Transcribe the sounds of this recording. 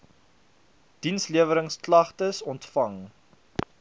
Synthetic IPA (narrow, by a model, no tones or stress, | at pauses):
d̥insliəvəɾəŋsklɐχtəsɔntfɐŋ